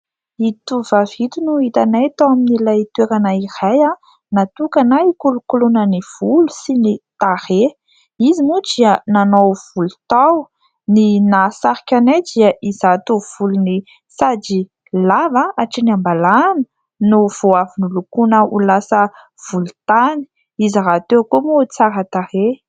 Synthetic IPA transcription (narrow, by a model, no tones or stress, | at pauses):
it̪uvavit̪unuit̪anajt̪owaminilajt̪weɾanaiɾaja | nat̪ukanajkulukulunəniv̥ulusinit̪aɾe | izimuʈ͡ʂiənanowv̥ulu̥t̪aw | ninasaɾikʲanadiaʔizat̪uv̥uluni | sad͡ʒi | lavaaʈ͡ʂiniambalanə | nuv̥oavinilukunəulasə | v̥ulut̪ani̥ | iziɾat̪ekumot͡saɾət̪aɾe